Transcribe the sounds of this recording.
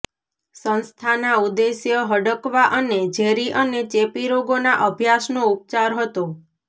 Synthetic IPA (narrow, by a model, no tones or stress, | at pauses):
sə̃nst̪ʰanaud̪esjəɦəɖəkʋaʔəned͡ʒʱeɾiʔənet͡ʃepiɾoɡonaʔəbʱjasnoup̚t͡ʃaɾɦət̪o